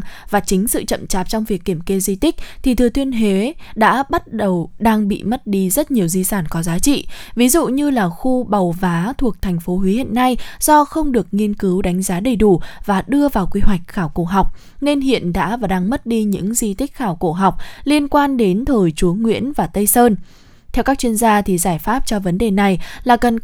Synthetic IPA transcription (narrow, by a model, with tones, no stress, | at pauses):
ŋvaː˨˩t͡ɕï˨˦ŋ̟sɨ̰˧˨t͡ɕə̰˧˨mt͡ɕaː˨˩p̚t͡ɕɔ˧wŋ͡mvi˨˩əkːi˧˩əmke˧zi˧t̪ï˦˥k̟̚t̪ʰi˨˩t̪ʰɨ˨˩t̪wi˧ənɦe˨˦ɗa̰ː˧˥ɓa˦˥t̚ɗə˨˩wɗaː˧ŋɓḭ˧˨mə˦˥t̚ɗi˧zə˦˥t̚ɲi˨˩əwzi˧saː˧˩nkɔ˨˦zaː˨˦t͡ɕḭ˧˨vi˨˦zṵ˧˨ɲɨ˧laː˨˩xu˧ɓa˨˩wvaː˨˦t̪ʰu˨˩ək̚t̪ʰɛ˨˩ŋ̟fo˨˦ɦwi˨˦hḭ˧˨nːa˧jz̥ɔ˧xə˧wŋ͡mɗɨ˨˩ək̚ŋi˧ənkɨ˨˦wɗa˨˦jŋ̟zaː˨˦ɗə˨˩jɗu˧˩vaː˨˩ɗɨ˧əvaː˨˩wkwi˧ɦwa˨˩jk̟̚xaː˧˩wko˧˩ɦa˨˩wk͡p̚ | ne˧nɦḭ˧˨ənɗa̰ː˧˥vaː˨˩ɗaː˧ŋmə˦˥t̚ɗi˧ɲɨ̰˧˥ŋzi˧t̪ï˦˥k̚xaː˧˩wko˧˩ɦa˨˩wk͡p̚li˧ənkwaː˧nɗe˨˦nt̪ʰəː˨˩jt͡ɕu˨˦ŋwḭ˧˥ənvaː˨˩t̪ə˧jsəː˧n | t̪ʰɛ˧wkaː˦˥k̚t͡ɕwi˧ənzaː˧t̪ʰi˨˩zaː˧˩jfaː˦˥p̚t͡ɕɔ˧və˨˦nɗe˨˩na˨˩jlaː˨˩kə˨˩n